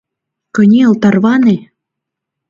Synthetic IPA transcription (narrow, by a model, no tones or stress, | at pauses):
kɤ̆nʲeə̆lt̪ɑrβɑne